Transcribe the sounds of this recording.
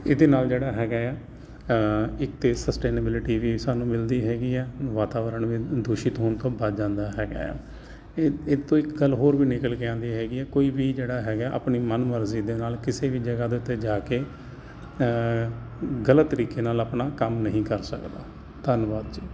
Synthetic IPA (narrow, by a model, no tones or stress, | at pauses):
ed̪eːnaːld͡ʒeːɽaːɦɛːɡaːɛː | ɪkt̪eːsəsʈeːnəbɪlɪʈiːʋiːsaːnũːmɪld̪iːɦɛːɡiːɛːʋaːt̪aːʋəɾəɳʋiːd̪uːʃiːt̪ɦoːnt̪õːbəd͡ʒãːnd̪aːɦɛːɡa̰ːɛ̰ː | eːt̪õːɪkɡəlɦoːɾʋiːnɪkəlkɪãːnd̪iːɦɛːɡiːɛːkoːiːʋiːd͡ʒeːɽaːɦɛːɡaːʔa̰pɳiːmənməɾziːd̪eːnaːlkɪseːʋiːd͡ʒəɡaːd̪eːʊt̪ːeːd͡ʒaːkeː | ɡələt̪ːəɾiːkeːnaːlapnaːkəmnəɦĩːkəɾsəkd̪a̰ː | d̪ənʋaːd̪d͡ʒiː